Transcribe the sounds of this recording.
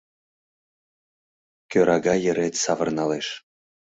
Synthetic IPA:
kʲøɾʔɑɡɑjə̆ɾet̪sɑvɤ̆rnɑleʃ

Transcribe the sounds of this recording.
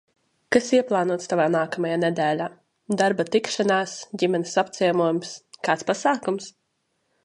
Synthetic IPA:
kasiɛplˠɑːnuɔt̪st̪avaːnaːkamajaːnɛd̪æːlʲaː | d̪aɾbat̪ikʃanaːsɟimɛnesapt̪sʲiɛmuɔjumskaːt̪spasaːkums

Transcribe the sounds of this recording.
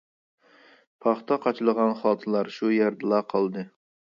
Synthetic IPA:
pʰɑχt̪ɑqʰɑt͡ʃʰlˠəʁɑnχɑːt̪ʰɨlˠɑɾʃujɛɾd̪ɛlˠɑqʰɑlˠd̪ɨ

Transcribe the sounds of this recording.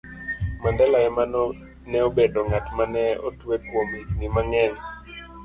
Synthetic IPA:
mandɛlaɛman | nɛobedoŋatmanɛo̰twekwominimaŋɛn

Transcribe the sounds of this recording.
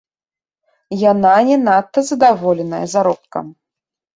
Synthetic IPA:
jananʲɛnat̪ːɐzɐd̪avɔlʲɛnɐjɐzaɾɔp̚kɐ̰m

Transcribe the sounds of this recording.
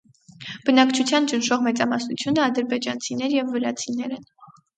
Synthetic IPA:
b̥ənɑkt͡ʃʰut͡sʰjɑnt͡ʃənʃɔʁmɛt͡sɑmɑsnut͡sʰjunəɑd̪əɾbɛd͡ʒɑnt͡sʰinɛɾjɛvːəɾɑt͡sʰinɛɾɛn

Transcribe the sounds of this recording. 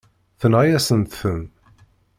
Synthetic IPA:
θənʁajæsənt̪θəm

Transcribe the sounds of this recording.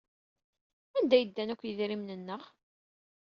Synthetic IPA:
ænd̪æjəd̪ːænækʷːjəðɾimnənːəʁ

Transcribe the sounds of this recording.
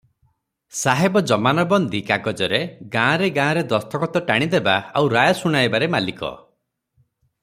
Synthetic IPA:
saɦebɔd͡ʒɔmanɔbɔnd̪ikaɡɔd͡ʒɔɾeɡãːɾeɡãːɾed̪ɔst̪ʰɔkɔt̪ɔʈaɽ̃id̪ebaawɾajɔsuɽ̃ajbaɾemalikɔ̰

